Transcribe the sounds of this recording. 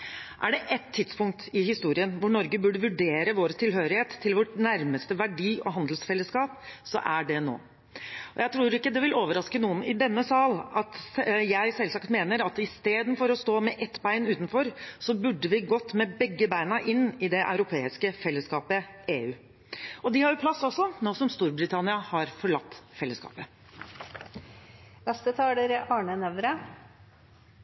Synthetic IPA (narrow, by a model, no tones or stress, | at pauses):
ʔæɖɛʔɛt̪ʰːɪt̪spʊŋk̚t̪ɪhɪst̪uːɾɪənʋʊɳɔɾɡəbʉɖəʋʉɖeːɾəʋoːɾt̪ʰɪlɦøːɾɪheːt̪ʰːɪlʋɔʈnæɾməst̪əʋæɖiːɔ̰ɦɑnd̪lsfɛlːəskɑːp̚sɔ̰ʔæɖɛno̰ː | ɔjæɪt̪ʰɾuːɾɪkːəd̪ɛʋɪloːʋəɾɑskənuːənɪd̪ɛnːəsɑːlɑt̪jæɪsɛlsɑkt̪meːnəɾɑt̪ɪst̪eːd̪n̩fɔɾɔst̪oːmɛʔɛt̪ːbæɪnʉːt̪n̩fɔɾsɔbʉɖːəʋɪɡɔt̪ːmɛbɛɡːəbæɪnɑʔɪnːɪd̪ɛʔɑ̰ʉɾʊpʰeːɪskəfɛlːəskɑːpəeːʉː | ɔd̪ɪhɑɾjʊpʰlɑsːɔsːɔnoːsɔmst̪uːɾbɾɪt̪ʰɑnɪɑhɑɾfɔɭɑt̪ːfɛlːəskɑ̰ːpə | ʋɛst̪ət̪ʰɑːləɾɑːɳənɛʋɾə